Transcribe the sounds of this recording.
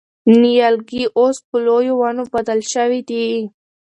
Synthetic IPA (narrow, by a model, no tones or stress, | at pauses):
nijalɡiʔospəlojowanobad̪əlʃəwid̪i